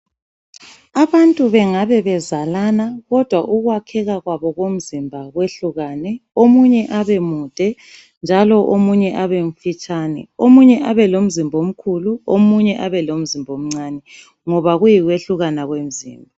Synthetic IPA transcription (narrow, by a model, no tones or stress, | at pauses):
aβantʼuβɛŋaβɛβɛzalanaɣɔd̥ʱwaʔuɣwakʰɛɣaɣwaβɔɣom̩zimbʱaɣweɬuɣaːnɛomuɲɛʔaβemud̥ʱɛ | nd͡ʒʱalɔʔomuɲɛʔaβeɱ̩fit͡ʃʼanɛ̰omuɲɛʔaβɛlom̩zimbʱom̩kʰuluomuɲɛʔaβɛlom̩zimbʱom̩ŋ͡ǀaːnɛ | ŋɔβaɣujiɣweɬuɣanaɣwem̩zḭːmbʱa